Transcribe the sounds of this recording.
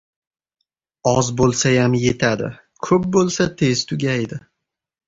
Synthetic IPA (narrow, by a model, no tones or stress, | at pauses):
ɒzbolˠsajamje̞t̪ʰad̪ɪ̰ | kʰɵp̚bolˠsat̪ʰe̞zt̪ʰʊɡʲajd̪ɪ